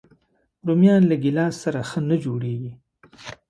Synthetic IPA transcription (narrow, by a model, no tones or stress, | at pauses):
ɾumjɑnlaɡilɑsːaɾaxənəd͡ʒoɽeɡi